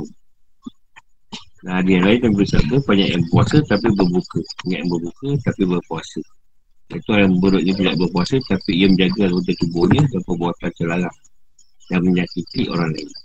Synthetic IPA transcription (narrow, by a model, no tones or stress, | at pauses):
naɦadianlainkanpəɾisakəpaɲaʔjaŋəkuasət̪ap̬ibərbukəɲa̰ʔjaŋbərbukət̪apibərkuasə | jait̪uaɾaməbəɾʊʔ̪̚ɲəp̬ida̰ʔbərkuasət̪apijəməd͡ʒaɡaŋot̪ət̪ubohɲədaŋpəbuat̪ant͡ʃəlaɾah | daŋməɲakit̪iʔo̰ɾaŋla̰ɪn